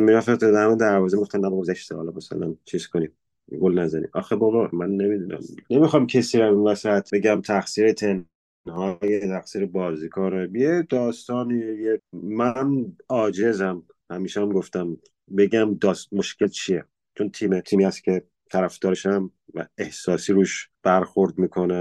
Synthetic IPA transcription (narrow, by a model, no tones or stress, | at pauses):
mijɑfet̪ed̪hæmænd̪æɾvɒːzemiɡoft̪æmnæbæbzæʃt̪ḛhɒ̰lɒmæsæ̰læ̰nt͡ʃʰizkʰoni | ɡolnæzænḭʔɒ̰xebɒbɒmænːemid̪unæ̰mnemixɒmcʰesiːɾæminvæsæt̪ʰbe̞ɟæmt̪ʰæxsiːɾet̪ʰen | ɦɒːjet̪ʰæxsiːɾebɒːzikʰɒːɾejed̪ɒːst̪ɒːnijemænɒːd͡ʒe̞zæm | hæmiːʃɛæmɡoft̪æm | be̞ɟæmd̪ɒːst̪mo̞ʃce̞lt͡ʃʰije | t͡ʃʰont̪ʰiːmet̪ʰiːmiːhæst̪cʲʰe̞ | t̪ʰæɾæfd̪̥ɒːɾeʃæm | væ̰ehsɒːsiːɾuːʃb̥æɾxoɾd̪miːkʰonæm